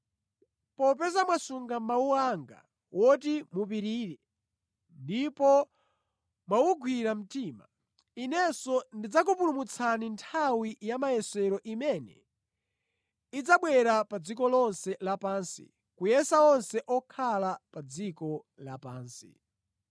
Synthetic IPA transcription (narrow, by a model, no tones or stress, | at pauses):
pɔp̬ɛzamwasuŋɡammauaŋɡa̰ | wɔt̬imupiɾiːɾɛ | ndipɔ | mwawuɡʰʱwiɾam̩tima̰ | inɛsɔndid͡zak̬upulumut͡sʰanintʰawijamajɛsɛɾɔʔimɛnɛ̰ | id͡zaɓwɛɾapad͡zikɔlɔnsɛlapansḭ | kujɛsaɔnsɛʔɔkʰalapad͡zikɔ | lapaːnsḭ